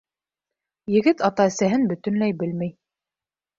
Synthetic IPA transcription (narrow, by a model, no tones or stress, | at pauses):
jɘ̆ɡɘt̪ɑt̪ɑɘ̆sæɦɘnbɵ̆t̪ɵ̆nlæjbɘlmæj